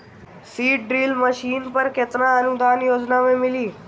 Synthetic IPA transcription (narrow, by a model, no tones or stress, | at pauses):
siːʈɖɾiːlməʃiːnpəɾket̪ɾãənud̪ʱanjod͡ʒnamẽmɪliː